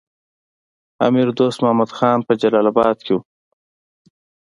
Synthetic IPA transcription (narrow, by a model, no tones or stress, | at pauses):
a̰miɾd̪oːst̪mʊhamad̪xɑːnpəd͡ʒalɑlabɑd̪̚kʰewu